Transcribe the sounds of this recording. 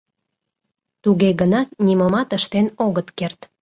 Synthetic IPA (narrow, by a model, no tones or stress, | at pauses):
t̪uɣeɣənɑt̪̚niməmɑt̪əʃt̪enoɣət̪kert̪